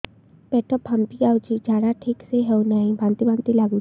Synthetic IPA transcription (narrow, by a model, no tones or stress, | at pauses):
pɛʈəpːampiawt͡ʃʰid͡ʒaːɽaʈʰiːkseɦɛunaɦĩbʱãnt̪ibʱãnt̪ilaːɡu